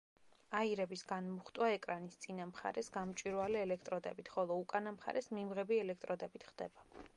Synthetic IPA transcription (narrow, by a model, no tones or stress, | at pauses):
aiɾɛbisɡanmuχt̪ʼwaɛkʼɾanist̪sʼinamχa̰ɾɛsɡamt͡ʃʼiɾwalɛɛlɛkʰt̪ʼɾɔd̪ɛ̰bit̪ʰχɔlˠɔukʼanamχa̰ɾɛsmimʁɛbiɛlɛkʰt̪ʼɾɔd̪ɛbit̪ʰχd̪̥ɛba